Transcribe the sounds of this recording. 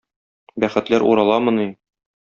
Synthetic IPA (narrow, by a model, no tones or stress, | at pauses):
bæχɘ̆t̪læɾʔṵɾɑlˠɑmɤ̆ni